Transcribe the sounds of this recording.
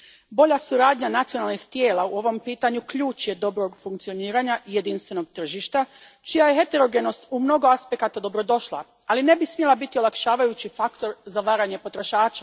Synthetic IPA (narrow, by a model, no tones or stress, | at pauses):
bo̞ʎasuɾaːd̪ɲanat̪sionalˠnixt̪je̞ːlˠauo̞ʋo̞mpiːt̪aɲukʎuːt͡ʃje̞d̪o̞bɾo̞ɡfuŋkt̪sijo̞niːɾaɲaʔije̞d̪inst̪ʋe̞no̞ɡ̚t̪r̩ʒiʃt̪a | t͡ʃijaje̞ɦe̞t̪e̞ɾo̞ɡe̞no̞st̪umno̞ɡo̞aspe̞kat̪ad̪o̞bɾo̞d̪o̞ʃlˠa̰ | aline̞bismjelabit̪io̞lˠakʃaːʋajut͡ɕifakt̪o̞ɾzaʋaːɾaɲe̞po̞t̪ɾo̞ʃaːt͡ʃa